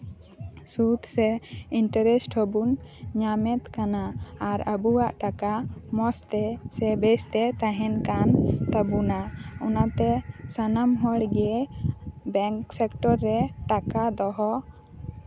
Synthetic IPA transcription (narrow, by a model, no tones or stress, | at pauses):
sut̪sɛiɳʈəɾɛsʈʰɔbunɲamɛt̪kanaːɾəbuwaʔʈakamɔst̪ɛsɛbest̪ɛt̪ãɦɛnkant̪abunaɔnat̪ɛsanamɦɔɽɡɛe | bɛŋksɛkʈɔɾːɛʈakad̪ɔɦɔ